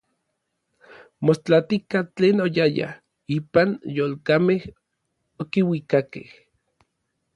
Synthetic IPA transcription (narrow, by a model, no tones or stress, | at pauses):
most͡ɬat̪ikat͡ɬeːnojaja̰ | iːpanjoːlkameh | okiwikakḛh